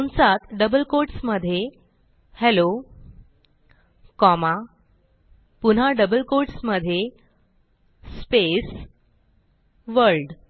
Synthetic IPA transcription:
unsat̪ɖəbəlkoɾʈsməd̪ʱje | hɛlo | kɔma | punɦaɖəbəlkoɾʈsməd̪ʱje | spes | ʋəɾɾɖ

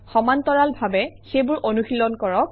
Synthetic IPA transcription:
xɔmant̪ɔɹalbʱabɛxejbʊɹʔonuxilɔnkɔɹɔk̚

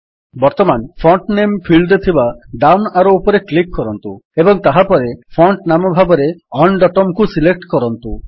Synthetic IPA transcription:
bɔɾt̪ɔmanpʰɔɳʈnempʰilɖot̪ʰibaɖawnaɾoupɔɾeklikːɔɾɔnt̪uebɔŋt̪aɦapɔɾepʰɔɳʈnamɔbʱabɔɾeɔɳɖɔʈɔmkusilek̚ʈkɔɾɔnt̪u

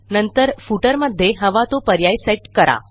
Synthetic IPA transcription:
nənt̪əɾfuʈəɾməd̪ʱːjeɦəʋat̪opəɾjajseʈkəɾa̰

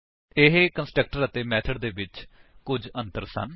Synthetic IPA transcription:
ɪɦkənsʈɾək̚ʈəɾət̪eːmɛːt̪ʰəɖd̪eːʋɪt͡ʃkʊd͡ʒənt̪əɾsə̰n

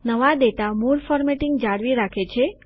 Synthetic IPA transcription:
nəʋad̪et̪amuɾfɔɾmeʈiŋɡd͡ʒaɽʋiɾakʰet͡ʃʰe

